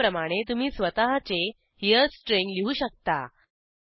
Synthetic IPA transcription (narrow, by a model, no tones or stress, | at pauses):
ɾəmaɽ̃et̪um̤iːsʋət̪aɦat͡se | hijəsʈɾẽŋɡliɦuːɕək̚t̪a̰